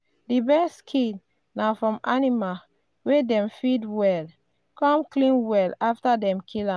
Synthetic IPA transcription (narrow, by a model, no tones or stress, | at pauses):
dibɛskʰi | nafɹɔ̃manima | wedɛ̃mfidwɛl | kɔ̃mklĩnwɛlaftadɛ̃mkʰilãm